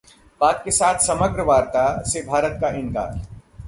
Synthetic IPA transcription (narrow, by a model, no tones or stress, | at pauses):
paːkːesaːt̪ʰsɐməɡɾəʋaːɾt̪asebʱaːɾət̪̚kaʔɪ̃ŋka̰ːɾ